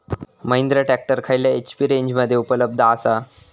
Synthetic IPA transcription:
məjnd̪ɾəʈæk̚ʈəɾkʰajljaet͡ɕpiːɾeɲd͡ʑməd̪ʱːjeupələb̚d̪ʱəasa

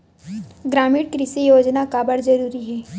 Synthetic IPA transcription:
ɡɾaːmiːɽkɾɪsijoːd͡ʒnakabəɽd͡ʒɐɾuːɾiɦɛː

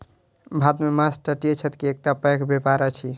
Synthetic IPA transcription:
bʱad̪memasʈəʈiet͡ʃʰət̪kiek̚ʈapəjkʰbepaɾət͡ʃʰi

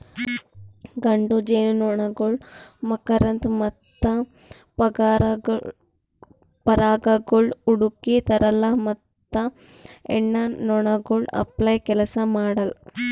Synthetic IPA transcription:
ɡaɳɖod͡ʒennoɳaɡoɭmɐkəɾɐnt̪mɐt̪ːa | pɐɾaɡaɡoɭuɽukit̪ɐɾalamɐt̪ːa | ḛɳːanoɳaɡoɭɐ̰plajkɛlasamaɽal

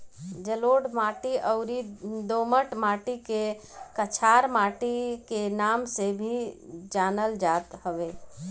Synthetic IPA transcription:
d͡ʒəloːɖmaːʈiʔəʊɾid̪oːməʈmaːʈike | kət͡ʃʰaːɾmaːʈikenaːmsebʱid͡ʒaːnəld͡ʒaːt̪həʋeː

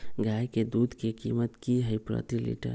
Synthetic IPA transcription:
ɡʱajked̪ud̪ʱkekimət̪kiɦəjpɾə̰t̪ilḭʈə̰ɾ

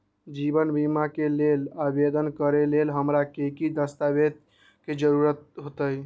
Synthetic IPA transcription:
d͡ʒibənbimakelelabed̪ənkəɾelelɦəmɾakekid̪əst̪abed̪̚ | ked͡ʒəɾuɾət̪̚ɦot̪əj

